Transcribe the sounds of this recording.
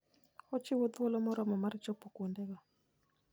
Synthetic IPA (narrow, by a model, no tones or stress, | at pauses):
ɔt͡ʃɪwɔd̪wɔlɔmɔɾɔmɔmaɾt͡ʃɔpɔkwondɛɡɔ